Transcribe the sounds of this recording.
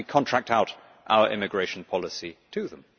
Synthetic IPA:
ikʰɒ̃ntʰɹ̥æk̚taʊɾ | ʔa̰ʊəɹʔɪ̰mɪɡɹeɪʃn̩pʰɒlɪsitʰɨðə̃m

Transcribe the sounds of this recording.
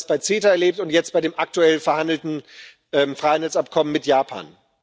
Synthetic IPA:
sb̥aɪt͡seːtɐɛɐleːp̚tʊntjɛt͡stb̥aɪɾeːmʔak̚tuɛlfɛɐhandl̩tn̩ | ʔɛːmfʁ̥aɪhandl̩sapkʰɔmənmɪtjaːpʰa̰ːn

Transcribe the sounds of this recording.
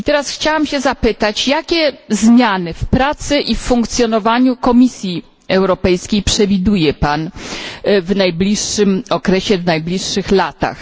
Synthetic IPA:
it̪ɛɾasxt͡ɕawamɕɛzapɘt̪at͡ɕjakʲɛzmʲjanɘfpɾat̪sɘʔifːuŋk̚t̪sʲjɔnɔvaɲukɔmʲisʲji | ɛwɾɔpɛjskʲejpʂɛvʲid̪ujɛpan | vnajblʲiʂːɘmɔkɾɛɕɛvnajblʲiʂːɘxlat̪a̰x

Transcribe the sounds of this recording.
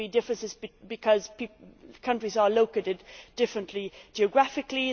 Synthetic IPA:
idɪfɹə̃nsɪzbbɨkʰʌz̥pikʰʌ̃nt͡ʃɹ̥izəloʊkeɪɾɪdd̥ɪfɹə̃nʔʰlid͡ʒiɨɡɹæfɪkli

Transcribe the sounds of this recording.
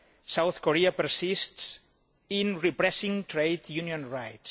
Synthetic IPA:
sawθkoɾiapəɾsists | inripɾɛsĩŋt̪ɾejt̪juniõnɹajts

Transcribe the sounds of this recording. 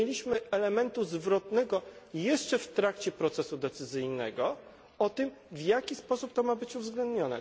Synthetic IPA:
elʲiɕmɘɛlɛmɛnt̪uzvɾɔt̪nɛɡɔjɛʂt͡ʂɛft̪ɾakt͡ɕɛpɾɔt̪sɛsud̪ɛt̪sɘzɘjnɛɡɔ | ɔt̪ɘm | vjakʲispɔsup̚t̪ɔmabɘt͡ɕuvzɡlɛnd̪ɲɔnɛ̰

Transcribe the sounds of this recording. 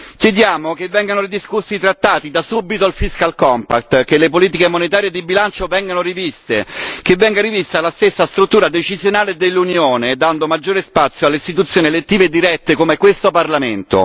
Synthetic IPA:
kjed̪jaːmok̟evːɛŋɡanoɾid̪iskusːit̪ɾat̪ːaːt̪id̪asubit̪oalfiskalkɔmpa̰k̚t̪kelepoliːt̪̬ikemonet̪aːɾjed̪ibilant͡ʃovɛŋɡanoɾivist̪ekevːɛŋɡaɾivist̪alast̪esːast̪ɾut̪ːuːɾad̪et͡ʃizjonaːled̪elːunjoːned̪and̪omad͡ʒːoːɾespat̪sːjoalːeist̪it̪̬ut̪sːjoːnielet̪ːiːved̪ːiɾɛt̪ːekomekwest̪oparlament̪o̰

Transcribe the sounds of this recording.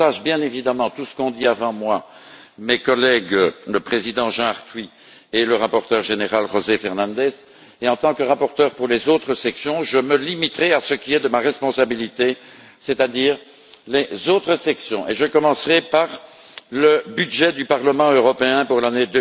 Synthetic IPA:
aʃbjɛ̃nevid̪amɑ̃t̪usə̥kɔ̃d̪iavɑ̃mwa | mekɔlɛɡləpχezid̪ɑ̃ʒɑ̃aʁt̪wɥi | eləʁapɔʁt̪œʁʒeneʁalʁozefɛʁnɑ̃d̪ɛz | eɑ̃t̪ɑ̃kəʁapɔʁt̪œːʁpuʁlezot̪χəsɛksjɔ̃ʒəməlimit̪ʁɛasəkʲiɛd̪əmaʁɛspɔ̃sabilit̪e | set̪ad̪iːʁ | lezot̪χəsɛksjɔ̃ʔeʒəkɔmɑ̃sʁɛpaʁ | ləbyd̪ʒɛd̪ypaʁləmɑ̃øʁɔpeɛ̃puʁlaned̪ø

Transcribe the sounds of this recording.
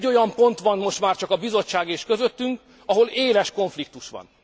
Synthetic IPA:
o̞jɒmpo̞nt̪ʋɒnmo̞ʃt̪maːrt͡ʃɒkɒbizo̞t͡ʃːaːɡeːʃkøzøt̪ːyŋk | ɒɦo̞leːlɛʃko̞ɱflik̚t̪uʃʋɒ̰n

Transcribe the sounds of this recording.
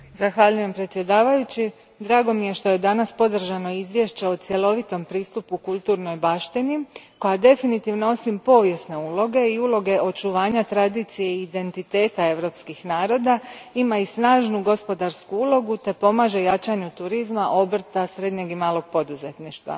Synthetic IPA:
zaxʋaʎuje̞mpɾet̪sje̞d̪aːʋajut͡ɕi | d̪ɾaːɡo̞mije̞ʃt̪o̞je̞d̪anaspo̞d̪r̩ʒano̞izʋje̞ʃt͡ɕe̞ot̪sje̞lo̞ʋit̪o̞mpɾiːst̪upukulˠt̪uːɾno̞jbaʃt̪iniko̞jad̪e̞finit̪iʋnoo̞simpo̞ːʋje̞sne̞uːlo̞ɡe̞iuːlo̞ɡe̞ʔo̞t͡ʃuʋaːɲat̪ɾad̪iːt̪sije̞id̪e̞nt̪it̪e̞ːt̪ae̞ʋɾo̞pskixnaːɾo̞d̪aimaisnaːʒnuɡo̞spo̞d̪aɾskuuːlˠo̞ɡut̪e̞po̞maːʒe̞jat͡ʃaɲut̪uɾizmaʔo̞br̩t̪asɾe̞d̪ɲe̞ɡimaːlˠo̞ɡ̥̚po̞d̪uze̞t̪niʃt̪ʋa̰

